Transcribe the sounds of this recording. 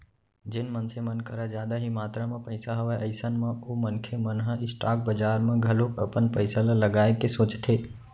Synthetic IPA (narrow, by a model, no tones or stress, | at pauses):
d͡ʒɪnmənsemənkəɾad͡ʒjaːd̪aɦimaːt̪ɾamẽpəɪsaɦəʋeʔəɪsənmãomənkʰemənɦə̃ɪsʈaːk̚bəd͡ʒaːɾmẽɡʱəlokəpənpəɪsəlaləɡaːekesoːt͡ʃt̪ʰeː